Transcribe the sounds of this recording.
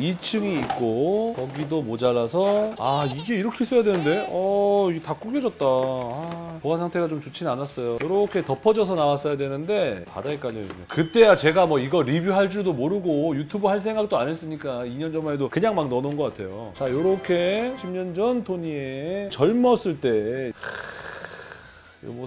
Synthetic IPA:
it͡ɕʰɯŋiːk̚k͈okʌɡidomod͡ʑaɾasʰʌaiɡe̞iɾʌkʰe̞is͈ʌjadwe̞nɯnde̞ʌiɡetak͈uɡjʌd͡ʑʌt̚t͈aapoansʰaŋtʰe̞ɡat͡ɕomt͡ɕut͡ɕʰinanas͈ʌjojoɾʌkʰe̞tʌpʰʌd͡ʑʌsʰʌnawas͈ʌjadwe̞nɯnde̞pa̰daek͈aʎːieɲokɯt͈e̞jat͡ɕe̞ɡamwʌiɡʌɾibjuɦaɭt͡ɕ͈udomoɾɯɡojutʰubɯɦaɭs̬ʰe̞ŋɡak̚t͈oanes͈ɯɲik͈aiɲʌnd͡ʑʌmaedokɯɲaŋmaŋnʌnonɡʌk͈atʰe̞jot͡ɕajoɾʌkʰe̞ɕʰimɲʌnd͡ʑʌntʰoɲiet͡ɕʌɭmʌs͈ɯɭt͈e̞ | mʌ

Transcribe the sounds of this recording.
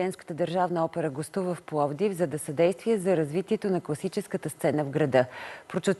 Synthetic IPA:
ɛnskə̥t̪əd̪əɾʒavnəɔpɛɾəɡost̪uvəfplˠɔvd̪ivzɐd̪ɐsɐd̪ɛjst̪viɛzɐɾɐzvit̪iɛt̪onɐklˠɐsit͡ʃɛskət̪əst̪sɛnəvɡɾɐd̪ɤpɾot͡ʃot̪

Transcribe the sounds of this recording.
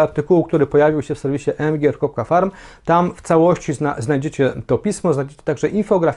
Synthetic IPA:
aɾt̪ɘkuwukt̪uɾɘpɔjavʲiwɕɛfsɛɾvʲiɕɛʔɛmɡʲɛɾkɾɔp̚kafaɾm | t̪amft̪sawɔɕt͡ɕinaznajd͡ʑet͡ɕɛt̪ɔpʲismɔznajd͡ʑet͡ɕɛ̥t̪aɡʐɛʔinfɔɡɾafʲ

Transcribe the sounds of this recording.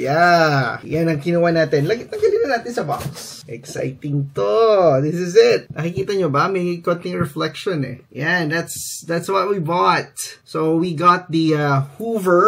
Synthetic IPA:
ja | janɐŋkɪnuːwɐnaːt̪ɛnlɐɡɐɡɡɐliːbɐnaːt̪ɪnsɐbɑ̰ksʔɛksa̰jt̪ɪŋt̪od̪ɪs̬ɪsɪt̪̚nʔɐkɪkiːt̪ɐɲobɐmejkot̪ɪŋɹɛflɛkʃɔ̃nɛ̰jand̪æt̪sd̪æt̪swɐt̪̚wibɔt̪̚sowiɡɑt̪̚d̪iahuvə˞

